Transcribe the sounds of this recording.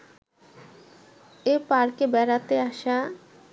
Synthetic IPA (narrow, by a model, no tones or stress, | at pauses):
epaɾkebɛɾat̪eaʃa